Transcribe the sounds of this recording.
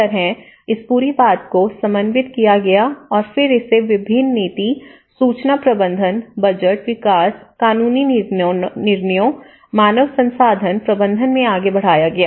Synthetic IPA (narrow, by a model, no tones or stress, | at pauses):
əɾɦɛ̃ | ɪspuːɾibaːt̪kosɐ̃mbə̃nʋɪt̪kijaɡɐjaɔːɾfɪɾɪseʋɪbʱɪnːiːt̪i | suːt͡ʃnapɾɐbə̃nd̪ʱənbɐd͡ʒəʈʋɪkaːskaːnuːni | nɪɾnəjõ | maːnəʋsɐ̃nsaːd̪ʱənpɾɐbə̃nd̪ʱənmẽaːɡebɐɽ̤aːjaɡɐjaː